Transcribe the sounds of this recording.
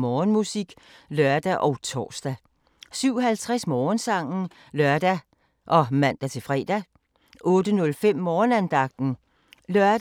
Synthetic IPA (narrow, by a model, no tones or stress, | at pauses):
mɒːnmusiɡ̥lœɐd̥æʔɒ̽ʊt͡sʰɒ̰ːsd̥æ | syʊ̰ɦælt͡sʰʁasmɒːnsɑ̈ŋ̰n̩ | lœɐd̥æ | ʔɒ̽mæn̰d̥æt͡sʰe̝lfʁɛ̰ːd̥æ | ʔɔ̽ːd̥ənɔ̽lfem̰ːɒːnænd̥ɑ̈ɡ̥̚d̥n̩ | lœɐ̥